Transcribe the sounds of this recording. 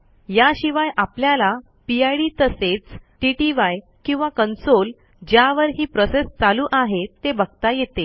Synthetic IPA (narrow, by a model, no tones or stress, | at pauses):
jaɕiʋajʔapljala | piajɽit̪əset͡sʈiʈiʋaj | kĩw̃ʋakənsol | d͡ʑjaʋəɾɦiːpɾɔsest͡saluːʔaɦet̪ːebəɡt̪ajet̪e